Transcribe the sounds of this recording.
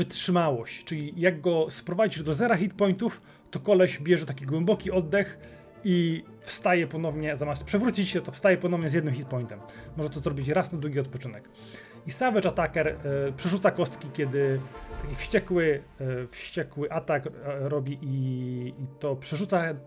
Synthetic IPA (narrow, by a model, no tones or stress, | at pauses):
vɘtʂɘmawɔɕt͡ɕt͡ʂɘlʲijaɡɡɔspɾɔvad͡ʑiʐd̪ɔzɛɾaxʲit̪pɔjnt̪uf | t̪ɔkɔlɛɕbʲjɛʐɛt̪akʲiɡwɛmbɔkʲiɔd̪ːɛx | i | fst̪ajɛpɔnɔvɲɛzamaspʂɛvɾut͡ɕit͡ɕɕɛt̪ɔfst̪ajɛpɔnɔvɲɛzjɛd̪nɘmxʲit̪̚pɔɲnt̪ɛmːɔʐɛt̪ɔzɾɔbʲit͡ɕɾasnad̪wuɡʲiɔt̪̚pɔt͡ʂɘnɛk | isavɛt͡ʂat̪akɛɾpʂɛʐut̪sakɔst̪kʲikʲɛd̪ɘt̪akʲifɕt͡ɕɛkwɘ | fɕt͡ɕɛkwɘʔat̪akɾɔbʲiʔiː | t̪ɔpʂɛʐut̪sa